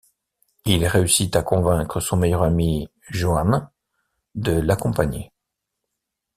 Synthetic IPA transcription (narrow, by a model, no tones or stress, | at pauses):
ilʁeysit̪akɔ̃vɛ̃kχəsɔ̃mejœʁami | ʒoan | d̪əlakɔ̃paɲḛ